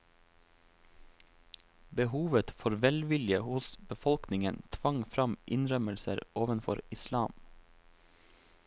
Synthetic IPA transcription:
bəhuːʋət̪foːɾʋɛlʋɪljəhʊsbəfɔlknɪŋənt̪ʰʋɑŋfɾɑmʔɪnɾœməlsə̰ɾʔoːʋənfɔ̰ɾɪslɑːm

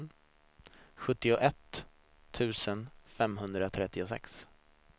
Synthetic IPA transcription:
n | ɧɵt̪ːɪʊʔɛt̪ʰː | ʉ̟ːsənfɛmɦɵnd̪ɾat̪ʰɾɛt̪ːɪʊsɛ̰ks

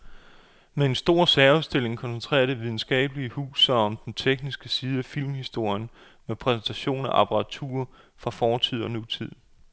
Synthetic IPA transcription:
mee̝nsd̥o̝ɐ̰sæɐuðˠsd̥e̝le̝ŋkʰɒ̽nsent͡sʰʁɛ̰ːɐd̥eʋið̞ˠn̩sɡ̥ɛ̰ːb̥əliəhṵːsɐɒ̽md̥ent͡sʰeɡ̥nisɡ̥əsiːð̞̩ˠæfil̰mhisd̥o̝ɐ̰jən | mepʰʁɛsn̩t͡sʰæɕo̝̰ːnæʔɑpʰɑʁɑ̈t͡sʰṵːɐ | fʁɑ̈fɒːt͡sʰið̞̰ˠɒ̽nut͡sʰið̞̰ˠ

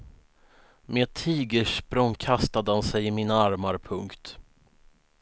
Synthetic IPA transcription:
meːt̪ʰiːɡəʂpɾɔŋkʰast̪ad̪əhansɛjɪmiːnaaɾmaɾpʰɵŋkt̪

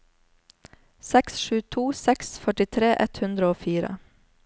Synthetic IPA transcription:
sɛksʃʉːt̪ʰuːsɛksfœʈɪt̪ʰɾeːʔɛt̪hʉnd̪ɾəoːfiːɾə̰

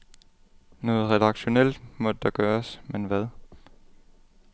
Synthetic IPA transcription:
nɔ̽ːð̩ˠʁɛdɑ̈ɡ̥ɕo̝nel̰d̥mɒ̽d̥əd̥ɑ̈ɡ̥ɶːɐsmenʋæð̞ˠ

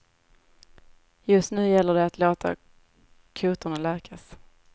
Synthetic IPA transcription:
jɵst̪nʉ̟ːjɛlːəɖɛat̪ʰloːt̪ʰa̰ | kʰuːt̪ʊɳalæːkʰas

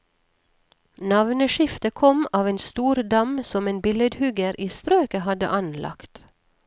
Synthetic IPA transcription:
nɑʋnəʃɪft̪əkʰɔmɑːʋeːnst̪uːɾd̪ɑmsɔmeːnbɪləd̪hʉɡəɾʔiːst̪ɾøːkəhɑd̪ə̰ʔɑnlʔɑ̰kt̪

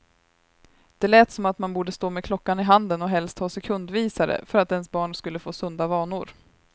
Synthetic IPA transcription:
d̪̥ɛlɛːt̪sɔmat̪manbuːɖəst̪oːmɛkʰlɔkːanɪɦand̪ənɔɦɛlst̪hɑːsɛkʰɵnd̪viːsaɾə̰fœɾat̪ɛnsbɑːɳskɵlːəfoːsɵnd̪avɑːɳʊɾ

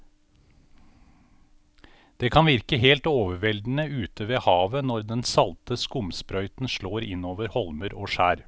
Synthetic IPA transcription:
d̪̥eːkʰɑnʋɪɾkəɦeːlt̪oːʋəɾʋɛld̪n̩əʉːt̪ʰəʋeːhɑːʋənɔɾd̪ɛnsɑlt̪əskʊmspɾœʏt̪n̩ʂɭoːɾɪnoːʋəɾhɔlməɾoːʂæːɾ

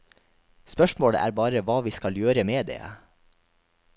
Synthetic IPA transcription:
spœʃmoːɽə̰ʔæ̰ːɾbɑːɾəʋɑːʋiːskɑljøːɾəmeːd̪ḛː

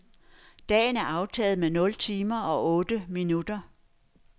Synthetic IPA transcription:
d̥ɛ̰ːnæɐɑ̈ʊt͡sʰɛ̰ːð̩ˠmenɔ̽lt͡sʰiːmɐɒ̽ʔɔ̽ːd̥əminud̥ɐ

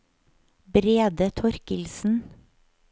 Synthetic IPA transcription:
bɾeːd̪ət̪ʰɔɾkəlsn̩

